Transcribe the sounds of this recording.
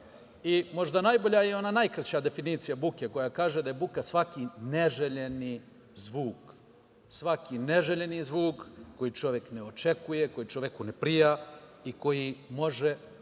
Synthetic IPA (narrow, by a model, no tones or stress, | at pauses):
imo̞ʒd̪anajbo̞ʎajeo̞nanajkɾat͡ɕad̪e̞finiːt̪sijabukeko̞jakaːʒed̪ajebukasʋakine̞ʒeʎe̞ni | zʋuːk | sʋakineʒeʎe̞nizʋuːkːo̞jit͡ʃo̞ʋje̞kneo̞t͡ʃe̞kujeko̞jit͡ʃoʋe̞kunepɾijaiko̞jimo̞ʒe